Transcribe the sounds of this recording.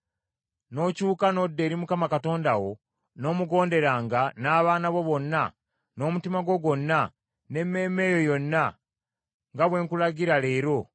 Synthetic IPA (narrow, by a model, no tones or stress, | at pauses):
no̞cuːkano̞dːe̞ːɾimukamakato̞ːndawo̞ | no̞ːmuɡo̞ːnde̞ɾaːŋɡanaːβaːnaβo̞βo̞nːa | no̞ːmutimaɡo̞ɡwo̞nːa | ne̞mːe̞ːme̞ːjo̞jo̞nːa | ŋɡaβwe̞ːŋkulaɡiɾale̞ːɾo̞